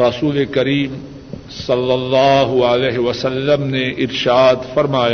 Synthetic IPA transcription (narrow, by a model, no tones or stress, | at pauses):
ɾɐsuːlekɐɾiːm | sɐlːɐlːaːɦʊəlɛːɦɪʋɐsɐlːəmneʔɪɾʃaːd̪fɐɾmaːja